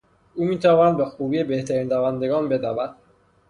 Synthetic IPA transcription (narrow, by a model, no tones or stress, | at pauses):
uːmiːt̪ʰævɒːnæd̪̚be̞xuːbiːebe̞ht̪ʰæɾiːnd̪ævænd̪e̞ɡɒːnbe̞d̪ævæd̪̥